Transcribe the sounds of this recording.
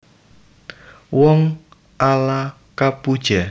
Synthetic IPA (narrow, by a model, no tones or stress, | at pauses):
wɔŋ | ʔala | kapud̥ʒ̥a